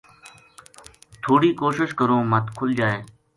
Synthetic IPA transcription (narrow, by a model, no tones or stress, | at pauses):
t̪ʰoːɽiːkoːʃɪʃkəɾõːmət̪kʰʊld͡ʒaːeː